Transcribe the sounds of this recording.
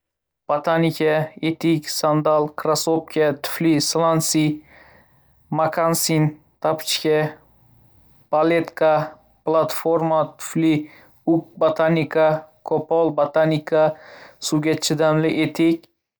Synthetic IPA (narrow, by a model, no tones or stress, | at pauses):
b̥at̪ʰanikʲʰaet̪ʰɪkʲsand̪alˠkʰɾasop̚kʲat̪ʰʊ̥flislˠansi | makʰansin | t̪ʰapʰt͡ʃkʲa | b̥alet̪kʰa | plˠat̪foɾmat̪ʰʊ̥fli | up̚bot̪ʰanikakʰopɔlˠbat̪ʰanʲikʰasuɡʲat͡ʃʰɪd̪amlɪʔet̪ʰɪkʲ